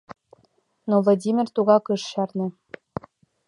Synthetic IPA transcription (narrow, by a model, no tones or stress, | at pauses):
novlˠodʲimʲirt̪uɣɑkɤ̆ʃɕɑrnɤ̆